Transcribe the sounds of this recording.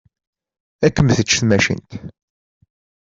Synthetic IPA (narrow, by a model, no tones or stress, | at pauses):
ækːəmθət͡ʃːθmæʃḭnt̪